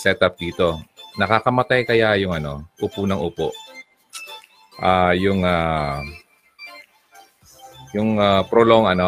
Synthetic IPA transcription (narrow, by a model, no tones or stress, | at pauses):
sɛt̪ʔɐp̚d̪iːt̪o̞nɐkakɐmɐt̪ajkɐjajʊŋɐno̞ʔʊpunɐŋʔʊpoʔ | ʔaːjʊŋa | jʊŋapɾoloŋɐno